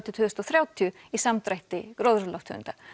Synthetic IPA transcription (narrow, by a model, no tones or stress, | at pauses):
t̪ʰjʏt̪ʰʏðʏst̪ɔθɾjaːwt̪ʰiʏ | isamt̪ɾajht̪ɪkɾowðɾʏlawft̪ʰʏ̰nt̪a